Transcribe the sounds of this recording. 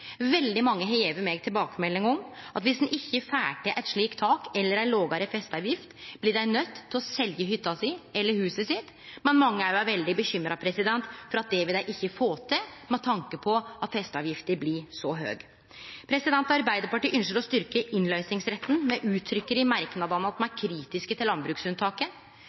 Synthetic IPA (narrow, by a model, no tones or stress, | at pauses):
ʋɛld̪ɪmɑŋːəɦɛeːʋəɾmeːɡ̚t̪ʰɪlbɑːkəmɛlːɪŋɔm | ʔɑt̪ʋɪsd̪n̩ʔɪçːəfæːʈəʔæɪt̪ʂɭiːkt̪ʰɑːkɛlːəɾæɪnloːɡɑɾəfɛst̪ɑʋjɪft̪b̥lɪɖæɪnœt̪ːʰɪlɔsɛljəɦʏt̪ːɑsɪɛlːəhʉːsəsɪt̪ː | mɛnmɑŋːəæɾjʊæʋɛld̪ɪbəçʏmːɾɑpʰɾɛsɪd̪ɛnt̪fɔɾɑt̪̚d̪ɛʋɛæɪʔɪçːəfoːt̪ʰəmɛt̪ʰːɑŋkəpʰɔɑt̪fɛst̪ɑːʋjɪft̪əɾblɪsɔɦø̰ːɡ | pʰɾɛsɪd̪ɛnt̪ɔɑɾbæɪd̪əɾpɑʈiːʔʏnʂəɾɔst̪ʏɾkəʔɪnlœʏsnɪŋsɾɛt̪ːn̩mɛʔʉːt̪ʰːɾʏkːəɾɪmɑɾknɑd̪ɑnəɑt̪mɑnæɾkʰɾiːt̪ɪskət̪ʰɪlːɑnbɾʉːksʉnt̪ʰɑːkə